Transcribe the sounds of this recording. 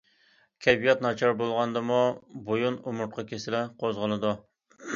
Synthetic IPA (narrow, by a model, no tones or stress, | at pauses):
kʲʰɛbijɑt̪nɑt͡ʃʰɑɾbolˠʁɑnd̪ɨmubojunumʊɾ̚qʰɑkʲʰesɪlɪqʰozʁəlˠɨd̪u